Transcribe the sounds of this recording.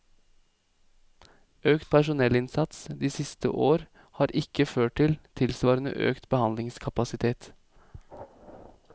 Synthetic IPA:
øːkt̪̚pʰæʂʊnɛlɪnsɑt̪sd̪iːsɪst̪ə̰ʔoːɾ | hɑːɾʔɪkəføːʈ̚ʈɪlt̪ʰɪlsʋɑːɾənə̰ʔø̰ːkt̪bəhɑnd̪lɪŋskʰɑpɑsɪt̪ʰeːt̪

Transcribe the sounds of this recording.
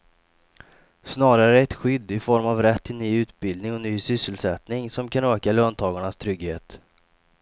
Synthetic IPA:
snɑːɾaɾəɛt̪ɧʏd̪ːɪfɔɾmavɾɛt̪ʰːɪlnyːʉ̟ːt̪bɪld̪nɪŋɔnyːsʏsːəlsɛt̪nɪŋsɔmkʰanøːkaløːnt̪ʰɑːɡaɳast̪ʰɾʏɡːheːt̪

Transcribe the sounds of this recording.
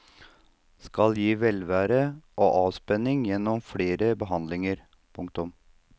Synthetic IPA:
skɑljiːʋɛlʋæːɾəʔoːʔɑːʋspɛnːɪŋjɛnːɔmfɽeːɾəbəɦɑnd̪lɪŋəɾ | pʰʊŋkt̪ʊm

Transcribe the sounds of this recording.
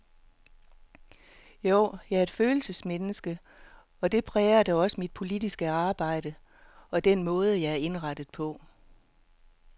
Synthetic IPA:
joʊ̰jɑ̈ɪæɐe̝d̥føːl̩səsmenəsɡ̥ə | ɒ̽d̥e̝pʰʁɛːɐd̥ɑɒ̽səmid̥̚pʰo̝lid̥isɡ̥əɑ̈ːb̥ɑ̈ɪ̰d̥ə | ɒ̽d̥en̰mɔ̽ːð̞ˠəjɑ̈ɪæɐe̝nʁɑd̥ð̞̩ˠpʰɒ̽

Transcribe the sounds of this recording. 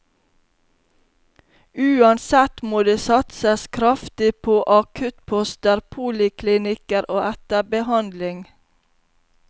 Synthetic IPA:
ʉːɑnsɛt̪moːd̪eːsɑt̪səskʰɾɑft̪ɪpʰoːʔɑkʰʉt̪pʰɔst̪əɾpʰuːlɪkʰlɪnɪkəɾoːʔɛt̪əbəhɑnd̪lɪŋ

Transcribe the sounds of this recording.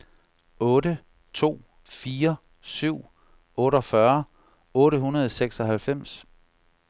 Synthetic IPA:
ɔ̽ːɾə | t͡sʰo̝̰ː | fiːɐ | syʊ̰ | ɔ̽ːɾɒfɶɐ | ɔ̽ːɾəɦunɐð̞ˠseɡ̥sɒ̽hælfem̰s

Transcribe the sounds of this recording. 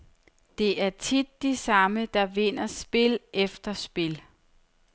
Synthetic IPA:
d̥e̝ʔæɐt͡sʰid̥ːisɑ̈məd̥ɑ̈ʋe̝n̰ɐsb̥e̝lʔefd̥ɐsb̥e̝l

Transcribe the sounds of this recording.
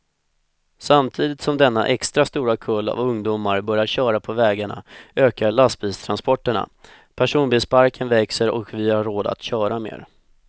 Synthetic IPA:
samt̪ʰiːd̪ɪt̪sɔmd̪ɛnːa̰ʔɛkst̪ɾast̪uːɾakʰɵlːa̰vɵŋd̪uːmaɾbœɾjaɕœːɾapʰɔvɛːɡaɳa̰øːkaɭast̪̚bist̪ʰɾanspɔʈːəɳa̰ | pʰæʂuːnbispʰaɾkənvɛksəɾɔ̰kvɪhaɾːoːd̪a̰t̪ɕœːɾamḛːɾ

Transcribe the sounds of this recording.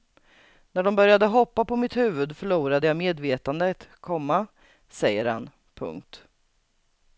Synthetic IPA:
næɖɔmbœɾjad̪əɦɔpːapɔmɪt̪hʉ̟ːvɵd̪fœɭuːɾad̪əjameːd̪veːt̪and̪ət̪kʰɔmːa | sɛjːəɾha̰n | pʰɵ̰ŋk̚t̪

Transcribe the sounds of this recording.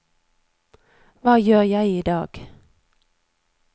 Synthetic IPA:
vɑːjøːʁjæɪiːd̪ɑ̰ːɡ̥

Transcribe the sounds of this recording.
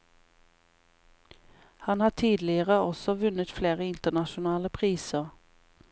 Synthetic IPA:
hɑnhɑːʈʰiːd̪lɪəʁəɔsɔʋʉnət̪fleːʁəɪnt̪əɳɑʃʊnɑːləpʰʁiːsəʁ

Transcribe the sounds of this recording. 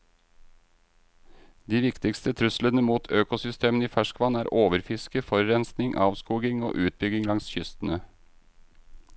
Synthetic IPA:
d̪iːʋɪkt̪ɪkst̪ət̪ʰɾʉslənəmuːt̪ʰøːkʊsʏst̪ʰeːməniːfæʃkʋɑnæːɾʔoːʋəɾfɪskəfɔɾːɛnsnɪŋʔɑːʋskuːɡɪŋo̰ːʔʉːt̪̚bʏɡɪŋlɑŋsçʏst̪ən̩ə

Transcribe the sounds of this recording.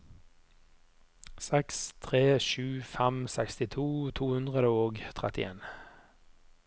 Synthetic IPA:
sɛkst̪ʰʁeːʃʉːfɛmsɛkst̪ɪt̪ʰuːt̪ʰuːhʉnd̪ʁəd̪əoːɡt̪ʰʁɛ̰t̪ɪ̰ḛːn

